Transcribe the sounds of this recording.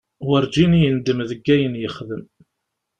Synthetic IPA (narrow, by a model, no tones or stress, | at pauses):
wəɾd͡ʒinijənd̪əmðəɡːæjənjəχðəm